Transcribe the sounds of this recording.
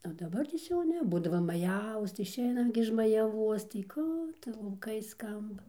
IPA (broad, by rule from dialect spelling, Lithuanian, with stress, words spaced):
oː ˈdɑːbɐrʲtʲeːs jɛʊ ˈnʲɛ ˈbuːdɐʋɐ ˈmɑːjɛʋoːs tɐɪ ɪʃʲˈɛɪnɐm ɡʲɪ ɪʃ mɐjɛˈʋuɔs tɐɪ ˈkuː tʊ lˠɐʊˈkɐɪ ˈskɐmbɐ